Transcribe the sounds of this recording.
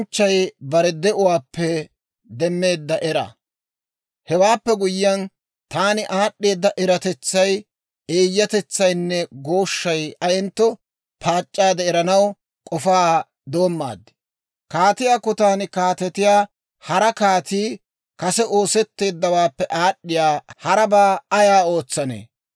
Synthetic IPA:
nt͡ʃːɐjbɐɾɛd̪ɛʔʊwaːpːɛ | d̪ɛmːe̞ːd̪ːɐʔɛɾɐ̰ | hɛwaːpːɛɡʊjɪjɐn | t̪aːnɪʔaːɗːe̞ːd̪ːɐʔɛɾɐt̪ɛt͡sːɐj | eːjːɐt̪ɛt͡sːɐjnːɛɡo̞ːʃːɐjɐjɛnt̪ːɔ | pʰaːt͡ʃʼːaːd̪ɛɛɾɐnɐw | kʼɔfaː | d̪o̞ːmːa̰ːd̪ːɪ̥ | kaːt̪ɪjaːkːɔt̪aːnɪkaːt̪ɛt̪ɪjaː | hɐɾɐkaːt̪iː | kɐsɛʔo̞ːsɛt̪ːe̞ːd̪ːɐwaːpːɛʔaːɗːɪjaːhɐɾɐbaːɐjaːo̞ːt͡sːɐnḛː

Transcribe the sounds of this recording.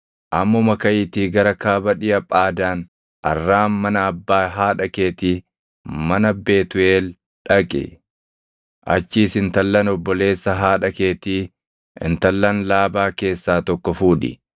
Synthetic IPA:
ʔɐmːɔmɐkɐʔiːt̪iːɡɐɾɐkaːbɐᶑɪjɐpʼaːd̪aːn | ʔɐ̰rːaːmmɐnɐːbːaːɦaːᶑɐkeːt̪iː | mɐnɐbe̞ːt̪ʊeːl | ᶑɐkʼɪ̰ | ʔɐ̰t͡ʃːiːsɪnt̪ɐlːɐnɔbːɔle̞ːsːɐɦaːᶑɐke̞ːt̪iː | ɪ̰nt̪ɐlːɐnlaːbaːke̞ːsːaːt̪ɔkːɔfuːᶑɪ̰

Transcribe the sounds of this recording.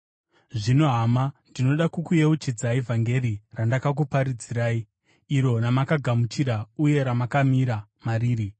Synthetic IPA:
ʐino̞ɦamandino̞ɗakukuje̞ut͡ʃid͡zaivʱaŋɡe̞rirandakak̬upaɾid͡ziɾaːi | iɾo̞namakaɡʱamut͡ʃiɾauje̞ɾamakamiɾamariːɾi

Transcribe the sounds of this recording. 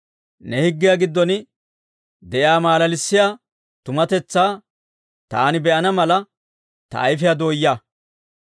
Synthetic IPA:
nɛhɪɡːɪjaɡɪd̪ːɔn | d̪ɛʔjaːmaːlɐlɪsːɪjaː | t̪ʊmɐt̪ɛt͡sːaː | t̪aːnɪbɛʔɐnɐmɐlɐ | t̪ɐ̰ʔːjf̬ɪjɐd̪o̞ːjːaː

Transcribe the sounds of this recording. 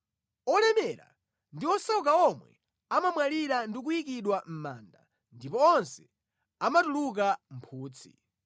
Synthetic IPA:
ɔlɛmɛɾa̰ | ndiɔsɔk̬aɔmwɛ̰ | amamwaliɾandik̬uik̬iɗwam̩maːnda̰ | ndipɔːnsɛ̥ | amatuluk̬am̩pʰuːt͡sʰi̥̰

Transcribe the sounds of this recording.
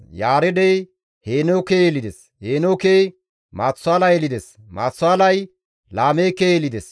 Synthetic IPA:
jaːɾɛd̪ej | heːnowkeːjelɪd̪ɛs | heːnokeː | maːt͡sːʊaːlɐjɛlɪd̪ɛs | ma̰ːt͡sːʊaːlɐj | laːmejkːejelɪd̪ɛs

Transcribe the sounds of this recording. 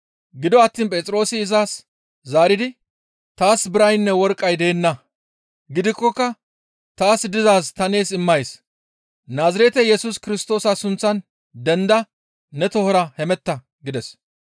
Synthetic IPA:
ɡɪd̪ɔɐt̪ːiːnpʼɛːt͡sʼɾo̞ːsɪːzaːs | zaːɾɪd̪ɪ | t̪aːsbɪɾɐjnːɛwɔɾkʼːɐjd̪eːnːɐ | ɡɪd̪ɪkːɔkːɐ | t̪aːsd̪ɪzaːst̪ɐne̞ːsɪmːɐjs | naːzɐɾɛt̪ɛjɛsʊskɪɾɪst̪o̞ːsɐsʊnt͡sːɐn | d̪ɛnd̪ɐː | ɛt̪ɔhɔɾɐhɛmɛt̪ːɐ | ɡɪd̪ɛs

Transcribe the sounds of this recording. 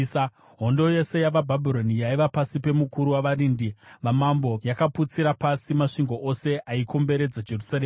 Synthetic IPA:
ɦo̞ndoje̞se̞jaʋabʱabʱiɾo̞nijaiʋapasipe̞mukuɾuwaʋaɾindiʋamambo̞jakaput͡siɾapasimaʂiŋɡo̞ʔose̞ʔaikʰo̞mbe̞ɾe̞d͡zad͡ʒe̞rusareː

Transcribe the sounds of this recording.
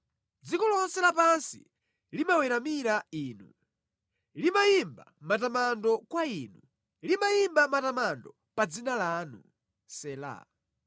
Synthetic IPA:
d͡zikɔlɔnsɛlapansḭ | limawɛɾamiɾaiːnu | limajimba̰matamandɔkwainu | limajimbamatamandɔ | pad͡zinalaːnu | sɛːla̰

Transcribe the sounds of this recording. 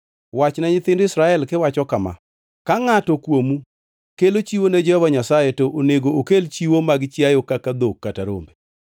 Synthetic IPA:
wat͡ʃnaɲɪt̪ɪndɪsɾaɛlkɪwat͡ʃɔkama̰ | kaŋatɔkwomu | kelot͡ʃiwoned͡ʒɛhɔvaɲasajetoʔoneɡookelt͡ʃiwomaɡt͡ʃjajokakad̪okːataɾo̰mbe

